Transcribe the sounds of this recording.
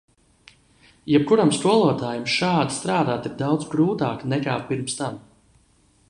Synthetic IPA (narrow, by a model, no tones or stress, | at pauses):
jɛb̚kuɾamskuɔlˠuɔt̪aːjumʃaːd̪i̥st̪ɾaːd̪aːt̪iɾd̪awd̪zɡɾuːt̪aːknɛkaːpiɾmst̪am